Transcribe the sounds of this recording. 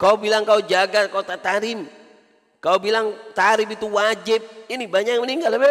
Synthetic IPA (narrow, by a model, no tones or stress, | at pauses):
kaubilaŋkaud͡ʒaɡakaut̪at̪aɾɪm | kaubilaŋt̪aɾɪmit̪uwad͡ʒɪp̚inibaɲakməniŋɡalbe